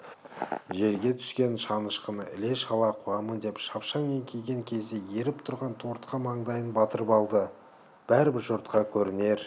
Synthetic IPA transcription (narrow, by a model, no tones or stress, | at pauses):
ʒe̞ɾɡʲe̞t̪ʰʏ̥skʲe̞nʃɑnəʃqənəʔɪ̰le̞ʃɑlˠɑqʰuɑmənd̪e̞pʃɑpʃɑŋmeŋkʲʰejɡʲe̞ŋkʲʰe̞zd̪e̞je̞ɾɪpt̪ʰʊɾʁɑnt̪ʰoɾt̪qɑmɑɴd̪ɑjənbɑt̪əɾəpɑlˠd̪ə | b̥æɾɪbɪɾʒʊɾt̪̚qɑkʲʰɵɾɪne̞ɾ